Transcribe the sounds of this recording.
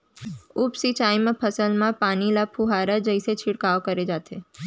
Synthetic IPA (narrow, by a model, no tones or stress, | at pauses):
upsit͡ʃaimãpʰəsəlmãpanilapʰuɦaɾəd͡ʒəjset͡ʃʰɪɽkaʋkəɾed͡ʒat̪ʰe